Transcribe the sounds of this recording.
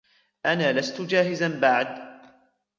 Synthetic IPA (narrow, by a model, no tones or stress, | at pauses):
ʔanaːlast̪ʊd͡ʒaːɦɪzanbaʕd̪